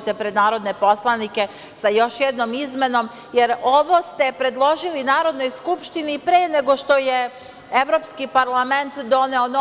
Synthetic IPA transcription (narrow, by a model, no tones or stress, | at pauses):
t̪epɾed̪naːɾo̞d̪ne̞po̞slˠanike̞ | sajo̞ʃjɛd̪nomizme̞no̞m | jeɾoʋo̞st̪epɾe̞d̪lˠo̞ʒilinaːɾo̞d̪no̞jskupʃt̪inipɾeːne̞ɡo̞ʃt̪o̞je | eʋɾo̞pskipaɾlˠame̞nt̪d̪o̞neono